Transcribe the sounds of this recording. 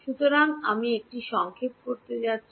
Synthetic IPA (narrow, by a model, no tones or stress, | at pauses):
ʃut̪oɾaŋamiek̚ʈiʃɔŋkʰep̚koɾt̪ed͡ʑatːɕʰ